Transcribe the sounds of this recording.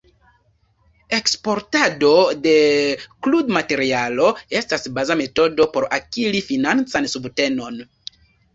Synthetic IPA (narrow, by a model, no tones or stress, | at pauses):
e̞kspo̞ɾtado̞de̞kludmate̞ɾialo̞e̞stasbazame̞to̞do̞po̞ɾa̰kilifinant͡sansubte̞no̞n